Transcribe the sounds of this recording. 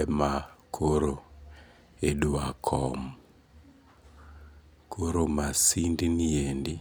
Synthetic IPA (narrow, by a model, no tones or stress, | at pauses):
ɛmakʰoɾo | eduakʰɔmu | kʰoɾomasindiniendi